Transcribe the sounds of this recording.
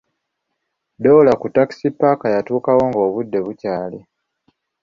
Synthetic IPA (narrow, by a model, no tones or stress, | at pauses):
dolakutːaki̥sipːakajatuːkawo̞ːŋɡo̞ːβudːe̞βucaːle